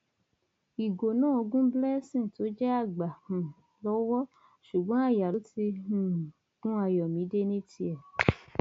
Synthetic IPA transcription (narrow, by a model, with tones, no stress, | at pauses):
i˨ɡo˨nãː˦˨o˧ɡũ˦blɛ˦sĩ˦˨to˨˦d͡ʒɛ˦a˦˨ɡ͡ba˨hũ˨ | lɔ˦wɔ˦ | ʃu˨ɡ͡bɔ̃˨˦a˦˨ja˨lo˦ti˧ũ˨ | ɡũ˦a˧˨jɔ˨mĩ˨˦de˦nĩ˦tʰi˦ɛ˨